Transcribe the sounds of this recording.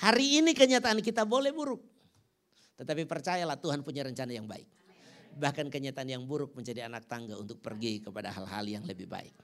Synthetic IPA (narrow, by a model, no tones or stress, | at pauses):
haɾiːnikəɲat̪aːnkit̪abolɛhbuɾʊk̚ | t̪ət̪apipərt͡ʃajalaht̪uɦanpuɲaɾəɲt͡ʃanajaŋba̰ɪ̰k̚ | bahkankəɲat̪aːnjaŋbuɾʊk̚məɲd͡ʒadianak̚t̪aŋɡaunt̪ʊk̚pərɡikəpada̰ɦa̰lɦa̰ljaŋləbɪhba̰ɪ̰k̚